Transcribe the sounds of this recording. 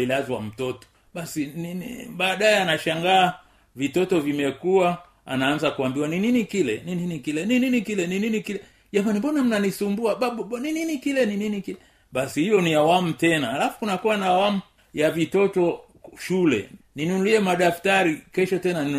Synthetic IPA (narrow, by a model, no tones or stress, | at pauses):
ilazwa̰m̩tɔtɔ̥ | ɓasininɓaːɗaɛanaʃaŋɡaː | vitɔtɔvimɛkua | a̰naːnzakuambiwanininikilɛnininikilɛnininikilɛnininikilɛ | ʄamanimbɔnam̩nanisumbuaɓaɓɔɓɔnininikilɛnininikilɛ | ɓasihijɔniawamutɛnaalafu̥kunakuwanaːwamu | javitɔtɔ | ʃulɛ̰ninunuliɛmaɗaftaɾikɛʃɔtɛnani